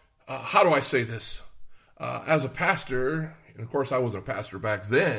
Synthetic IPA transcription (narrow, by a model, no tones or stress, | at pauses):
ʌhaʊɾəaɪseɪðɪs | ʔʌ̰ɨzəpʰæstə˞ɨ̃nʌv̥kʰɔɹsaɪwʌzə̃ntəpʰæ̰stə˞bæk̚ðɨ̃